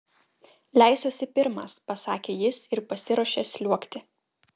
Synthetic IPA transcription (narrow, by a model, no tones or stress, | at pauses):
lʲæɪsoːsʲɪpʲɪɾmɑ̰spɐsɑːkʲeːjɪsɪɾpɐsʲɪɾoɔʃʲeːsʲlʲuɔkt̪ʲɪ